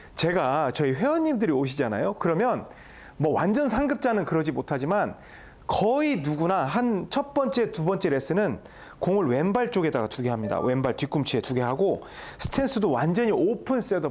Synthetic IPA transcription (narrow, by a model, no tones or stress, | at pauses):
t͡ɕe̞ɡat͡ɕʌiɸwe̞wʌɲːimdɯɾioɕʰid͡ʑana̰jokɯɾʌmjʌn | mʌwa̰nd͡ʑʌnsʰaŋɡɯp̚t͡ɕ͈anɯnkɯɾʌd͡ʑimotʰad͡ʑiman | kʌinuɡunaɦant͡ɕʰʌt̚p͈ʌnt͡ɕ͈etubʌnt͡ɕ͈e̞ɾe̞s͈ʰɯnɯn | koŋɯɭwe̞mbaɭt͡ɕ͈oɡedaɡatuɡe̞ɦamɲida̰we̞mbaɭtɥik͈umt͡ɕʰie̞tuɡe̞ɦaɡo | sʰɯ̥tʰe̞ns͈ʰɯdowand͡ʑʌɲiopʰɯns͈edo